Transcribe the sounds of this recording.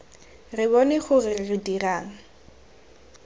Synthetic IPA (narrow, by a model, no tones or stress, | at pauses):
rɪbɔnɪχʊrɪrɪdiraːŋ̩